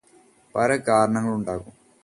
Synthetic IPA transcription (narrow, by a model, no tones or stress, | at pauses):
pɐlɐkaːɾɐɳɐŋːɐɭuɳɖaːɣum